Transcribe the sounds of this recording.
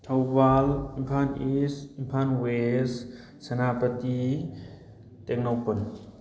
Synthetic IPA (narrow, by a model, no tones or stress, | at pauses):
t̪ʰawbalimpʰanisimpʰanwes | sɐnapət̪i | t̪ɛk̚nowpən